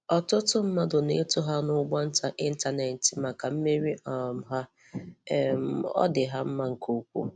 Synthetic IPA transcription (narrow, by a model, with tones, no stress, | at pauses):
ɔ˨tʊ˦tʊ˦m̩˦ma˦dʊ˨ne˦tʊ˦ɦa˦nʊ˦ɡ͡bɔ˦n̩˦ta˨ʔɪ˦n̩˦ta˨ne˨n̩˨tɪ˨ma˨ka˨m̩˦me˦ɾi˦ʔɔ˨m˨ɦa˦˨ | m̩˨ɔ̰˦dɪ˨ɦa˦m̩˦ma˦ŋ̩˨ko˦kʷṵ˦